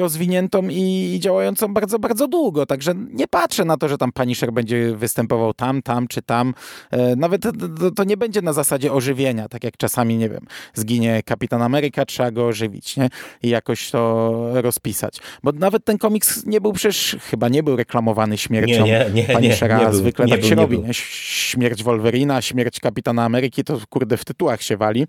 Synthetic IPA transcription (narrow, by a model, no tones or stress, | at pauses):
ɾɔzvʲiɲɛnt̪ɔ̃miːd͡ʑawajɔnt̪sɔ̃w̃baɾd̪zɔbaɾd̪zɔd̪wuɡɔt̪aɡʐɛɲɛpatʂɛnat̪ɔʐɛt̪ampaɲiʂɛɾbɛɲd͡ʑɛvɘst̪ɛmpɔvawt̪amt̪amt͡ʂɘt̪amnavɛt̪ɔt̪ɔɲɛbɛɲd͡ʑɛnazasad͡ʑɛɔʐɘvʲjeɲat̪akʲjakt͡ʂasamʲiɲɛvʲjɛ̰mzɡʲiɲɛkapʲit̪anamɛɾɘkatʂɛbaɡɔːʐɘvʲḭt͡ɕɲɛijakɔɕt̪ɔɾɔspʲisa̰t͡ɕbɔnavɛt̪ːɛnkɔmʲiksɲɛbɘwpʂɛɛʂxɘbaɲɛbɘwɾɛklamɔvanɘɕmʲjɛɾt͡ɕɔ̃wɛpaɲiʂɛɾazvɘklɛt̪akɕɛɾɔbʲiɲɛɕmʲjɛɾd͡ʑvɔlvɛɾʲinaɕmʲjɛɾt͡ɕkapʲit̪anaːmɛɾɘkʲit̪ɔkuɾd̪ɛft̪ɘt̪uwaxɕɛvalʲi